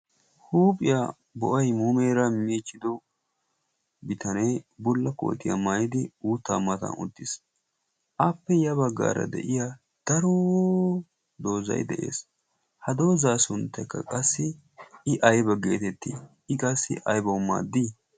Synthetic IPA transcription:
huːpʼɪja | bɔʔɐjmuːmeːɾɐmiːt͡ʃʼːɪd̪ɔ | bɪt̪ʰɐnejbʊlːɐko̰ːt̪ɪjɐ̰maːjɪd̪ɪuːt̪ːa̰ːmɐt̪ɐ̰nʊ̰t̪ːɪs | ʔaːpːɛjɐbɐɡːa̰ːɾɐ̰d̪ɛ̰ʔɪja | d̪̥ɐɾɔwo | d̪o̞ːzɐ̰jd̪ɛʔe̞̰ːs | hɐd̪o̞ːzaːsʊnt̪ːɛkːɐkʼɐsːɪ | ɪʔɐjbɐɡe̞̰ːt̪ɛt̪ːḭː | ɪkʼɐsːɪ̰ʔɐjbɐmːa̰ːd̪ːiː

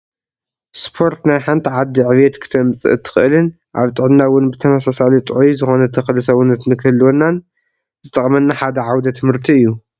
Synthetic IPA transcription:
spʰo̞ɾt̪najħant̪ʰiʕad̪ːiʕɨβjet̪kʰɨ̥t̪ʰɐmt͡sʼɨ̰ʔɨt̪ʰːɨ̥xʔɨlɨn | ʔa̰βt̪ʼɨʕɨnːawʊnbɨt̪ʰɐmɐsasalit̪ʼʕujzɨxo̞nɐt̪ʰɐxɐlɨsɐwʊnɨt̪nɨkʰɨlːwonːan | zɨt̪ʼɐχʼmɐnːaħad̪ɐʕawd̪ɐt̪ʰɨmhɨɾt̪ʰiɨjːu

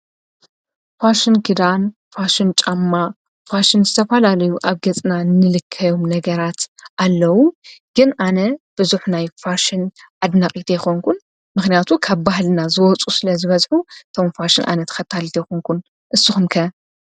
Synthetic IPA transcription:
faʃɪnkʰɨd̪an | faʃɪnt͡ʃʼamːa | faʃɪnzɨt̪ʰɐfɐlalɐjuʔaβɡɐt͡sʼnanɨlɨkʰːɐjomnɐɡɐɾat̪ʔalːɐwuɡ̥ɨnʔanɐb̥ɨzuħnajfaʃɪn | ʔad̪nakʼit̪ʰɐjɛxoŋkʰun | mɨxnijat̪ʰukʰaβbahlnazɨwɔt͡sʼusɨlɐzɨβɐzħuɨt̪ʰo̞mfaʃɪnʔa̰nɐt̪ʰxɐt̪ʰːalt̪ʰɐjxoŋkʰun | ʔɨsːɨxumkʰɐ

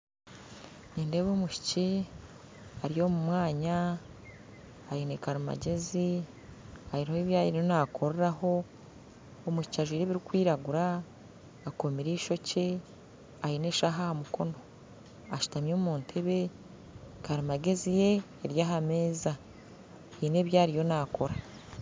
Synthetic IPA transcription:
niːnde̞βoːmuʃi̥ci | aɾijo̞mumwaːɲa | jinekaɾima̰ɟe̞zi | ajiɾhoiβjaːjiɾionakʰoɾeɾaho̞ː | muʃi̥caʒwiɾeβiɾikwiːɾaɡuɾaː | komiɾiːʃo̞ce | ajine̞ːʃaɦahamuko̞no̞ | aʃu̥tamjoːmuːntʰeβe̞ | kʰaɾimaɡe̞zije̞ː | ɾjaːɦame̞ːza | ine̞ːβjaːɾijo̞nako̞ɾa

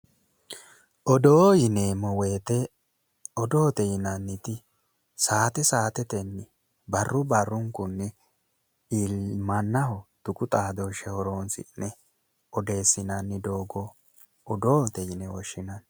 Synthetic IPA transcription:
ʔɔd̪oːjɪneːmɔweːt̪ɛ | ɔd̪oːt̪ɛjɪnɐnːɪt̪ɪ | saːt̪ɛsaːt̪ɛt̪ɛnːɪ | bɐrːʊbɐrːʊŋkʊnːɪ | ilmɐnːɐhɔd̪̥ʊkʼʊt̪ʼaːd̪oʃɛhɔɾoːnsɪ̰nːɛ | ɔd̪e̞ːsɪnɐnːɪd̪oːɡɔː | d̪oːt̪ɛjɪnɛwɔʃːɪnɐn

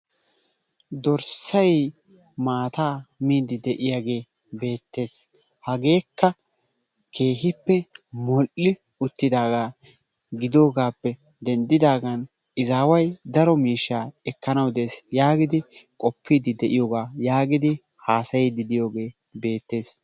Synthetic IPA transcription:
d̪ɔɾsɐj | maːt̪aːmiːd̪ɪd̪ɛʔɪjaɡe̞ː | be̞ːt̪ːe̞ːs | hɐɡe̞ːkːɐ | kʰe̞ːɦɪpːɛmɔʔɪ | ʊt̪ːɪd̪aːɡaː | ɡɪd̪o̞ːɡaːpːɛ | d̪ɛnd̪ɪd̪aːɡɐn | ɪzaːwɐjd̪ɐɾɔmiːʃːaːɛkːɐnɐwd̪e̞ːsjaːɡɪd̪ɪkʼɔpʰːiːd̪ɪd̪ɛʔɪjoːɡaːjaːɡɪd̪ɪ | haːsɐjɪd̪ɪd̪ɪjo̞ːɡe̞ː | be̞ːt̪ːe̞ːs

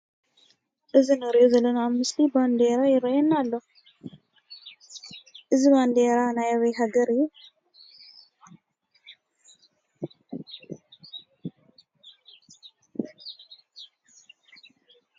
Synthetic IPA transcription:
ʔɨzinɨɾʔozɐlːɐnamɨsliband̪eɾajɪɾɐjɛnːalːo | ʔɨziband̪eɾanajaβeɦaɡɐɾɨju

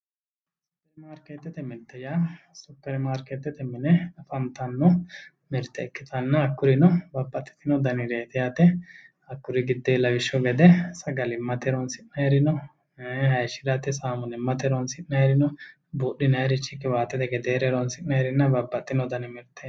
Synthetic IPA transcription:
sʊpːɛɾmaːɾket̪ːɛt̪ɛmɛt̪ːɐja | sʊpːɛɾmaːɾkɛt̪ːɛt̪ɛmɛnɛfɐnt̪ɐnːɔ | mɛɾt̪ːɛɛkːɪt̪ɐnːɐɐkːʊɾɪnɔbɐbːɐt̪ːɛ̥t̪ɪnɔd̪ɐnɪɾeːt̪ɛjat̪ɛ | ɐkːʊɾɪɡɪd̪ːeːlɐwɪʃːɔɡɛd̪ɛsɐɡɐlɪmːɐt̪ɛɾɔnsɪnnɐɛɾɪnɔ | hɐjʃɪd̪ɐt̪ːɛsaːmʊnɛmːɐt̪ɛɾɔnsɪʔnɐɛɾɪnɔ | buːɗːɪnɐɛɾɪt͡ʃːɪkːɪwaːt̪ːɛt̪ɛɡɛd̪eːɾɛɾɔnsɪʔnɐɛɾɪnːɐbɐbːɐt̪ːɪnɔd̪ɐnɪmɪɾt̪ːɛ

